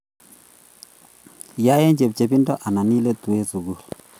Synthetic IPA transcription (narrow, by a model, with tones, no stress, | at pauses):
ja˦jɛ˦ɲd͡ʒe˨p̚t͡ʃe˨pi˦ndɔ˦ʔa˨na˨ni˦le˦t̪u˨e˦su˨ɡu˦˨l